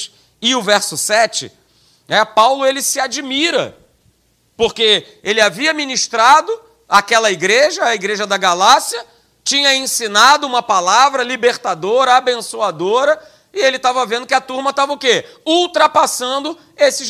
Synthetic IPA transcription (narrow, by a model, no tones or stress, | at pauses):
ɪʊvɛɾsʊsɛt͡ʃɪ̰ | ɛpawlʊelɪsɪad͡ʒimiɾɐ̰ | poɾke | elɪaviɐminiʃt̪ɾad̪ʊ | akɛlɐiɡɾeʒɐːiɡɾeʒɐd̪ɐɡalasiɐ | t͡ʃĩɲɐẽsinad̪ʊũmɐpalavɾɐlibeɾt̪ad̪oɾɐabẽsuad̪oɾɐ | ɪelɪt̪avɐvẽnd̪ʊkɪɐt̪uɾmɐt̪avɐʊke | uwt̪ɾɐpasɐ̃nd̪ʊ | esɪ